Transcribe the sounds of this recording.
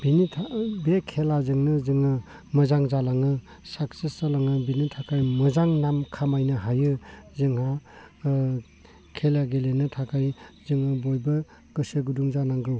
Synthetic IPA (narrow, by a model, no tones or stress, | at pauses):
b̥initʰabekʰelazɯŋnɯzɯŋɯ | mɐzaŋzalaŋɯ | sakseszalaŋɯbinitʰakʰajmɐzaŋnamkʰamajnɯɦajɯzɯŋɦa | kʰelaɡelenɯtʰakʰajzɯŋɯbojbɯ | ɡɯseɡuduŋzanaŋɡɾɯw